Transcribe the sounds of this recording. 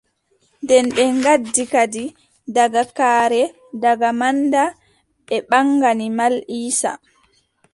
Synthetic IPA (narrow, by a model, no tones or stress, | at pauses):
ndɛnɓɛŋɡadːikadi | daɡakaːɾɛ | daɡamanda | ɓɛɓaŋɡanimaliːsa̰